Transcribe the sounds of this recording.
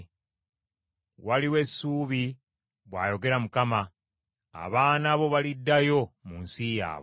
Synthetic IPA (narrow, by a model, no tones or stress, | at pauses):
waliwe̞sːuːβi | βwaːjo̞ɡe̞ɾamukama̰ː | βaːnaβo̞βalidːajo̞munsija̰ːβo